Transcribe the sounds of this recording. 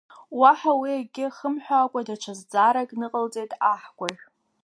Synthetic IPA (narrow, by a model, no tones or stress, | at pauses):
waħawiaɡʲɪχəmħʷᶣaːkʷʼadat͡ʃʷʰazd͡zaɾakʼnɨqʼəlt͡sʼejtʼaħɡʷʼaʒʲ